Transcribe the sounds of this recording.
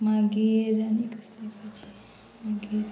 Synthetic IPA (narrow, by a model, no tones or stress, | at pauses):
mãɡeɾənikəslipət͡ʃʰi̥ | mãɡeɾ